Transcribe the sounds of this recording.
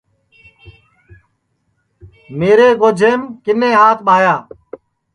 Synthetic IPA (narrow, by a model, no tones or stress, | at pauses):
meːɾeːɡoːd͡ʒʱeːmkɪnẽːɦaːt̪ʰɓʱaːjaː